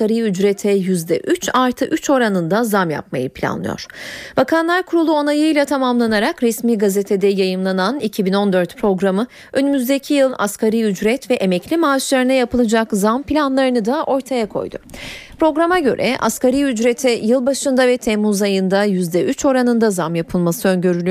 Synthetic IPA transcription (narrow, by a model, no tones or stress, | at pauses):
kaɾiyd͡ʒɾɛt̪ʰɛjyzd̪ɛʔyt͡ʃaɾt̪ʰɯʔyt͡ʃo̞ɾanɯnd̪azamja̰pma̰jɯpʰlʲa̰nlˠɯ̰jo̰ɾ̥b̥akʰanlˠaɾkʰuɾulˠuo̞najɯjlʲˠat̪ʰamamlˠanaɾakɾɛsmiːɡazet̪ʰed̪ɛjajɯmlˠananicʰibino̞nd̪ø̞ɾt̪pʰɾo̞ɡɾamɯ | ø̞nymyzd̪ecʰijɯlˠa̰skʰaɾiyd͡ʒɾɛt̪vɛʔemɛclʲimaːʃlˠaɾɯnajapɯlˠɯd͡ʒakzampilʲanlˠaɾɯnɯd̪aʔo̞ɾt̪ʰajakʰo̞̰jd̪ʊ̰pɾo̞ɡɾamaɟø̞̰ɾʔɛ̰ʔa̰skaɾiyd͡ʒɾɛt̪ʰɛjɯlˠbaʃɯnd̪avɛt̪ʰɛmːuzajɯnd̪ajyzd̪ɛʔyt͡ʃo̞ɾanɯnd̪azamjapʰɯlˠmasɯø̞nɟø̞ɾylʲy